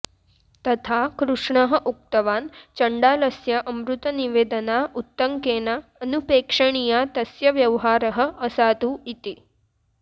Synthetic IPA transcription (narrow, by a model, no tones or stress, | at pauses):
t̪ɐt̪ʰakɾuʂɳɐɦə̆ʔuk̚t̪ɐʋaːnt͡ʃɐɳɖaːlɐsjɐʔɐmɾut̪ɐniʋeːd̪ɐnaːut̪ːɐŋkeːnaːnupeːkʂɐɳ̃ijaːt̪ɐsjɐʋjɐʋɦaːɾɐɦə̆ɐsaːd̪uit̪i